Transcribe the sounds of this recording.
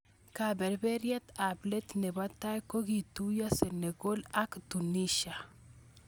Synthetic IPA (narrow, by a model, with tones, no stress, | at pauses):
kabɛ˨ɾbɛ˦ɾja˦t̪able˦t̪nɛ˨βa˦t̪a˦jko˦ɣi˨t̪u˦ja˦sene˨ɡo˦la˦kt̪u˨niʃa˨